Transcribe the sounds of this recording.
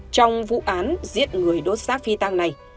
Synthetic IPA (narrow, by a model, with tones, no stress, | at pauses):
t͡ɕɔ˧wŋ͡mvṵ˧˨ʔaː˨˦nzḭ˧˥ət̚ŋɨ˨˩əjɗo˨˦t̚saː˦˥fi˧t̪aː˧ŋna˨˩j